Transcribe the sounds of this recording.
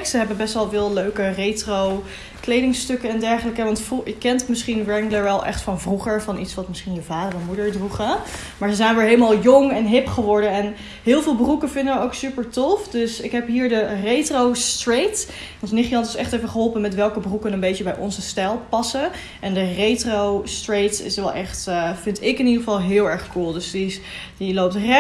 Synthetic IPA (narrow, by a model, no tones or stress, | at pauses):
ksəɦɛbəbɛstʋɛlˠvɪːlˠløɥkərejtrow | klejdɪŋstɵkəɛndɛɹχələkəʋɑntfəkːɛntmɪsχinɹɛŋɡləɹʋɛlˠʔɛ̰χtfɑnvruχəɹvɑnʔitsʋɑtmɪsχinjəvaːdərɛnmudəɹdruχə | maːɹzəzɛjnʋɪːɹɦeləmaːlˠjɔŋɛnɦɪpχəʋɔɹdənɛn | ɦɪːlˠvɪːlˠbrukənvɪndəʋəowksypəɹtɔfdɵsɪkɦɛpɦiːɹdərejtrowstrejt | ɔnsnɪχjlɑntɪsɛχtevəχəɦɔlˠpənmɛtʋɛlˠkəbrukənənbejt͡ʃəbɛjʔɔ̰nzəstɛlˠpɑsən | ʔɛndərejtrowstrejtɪ̰sʋɛlˠʔɛχtvɪntɪkɪnidəχəvɑlˠɦɪːlˠɛɹχkulˠdɵsdi | dilowp̚trɛ